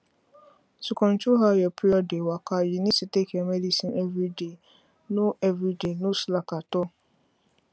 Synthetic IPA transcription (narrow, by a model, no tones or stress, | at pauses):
sʊkʰɔ̃nt͡ʃʊɦajɛpʰɾiɔdewakʰajinĩsitekʰɛmɛdisĩnɛvɾide | nʊ̃ɛvɾidenʊ̃slakatʊ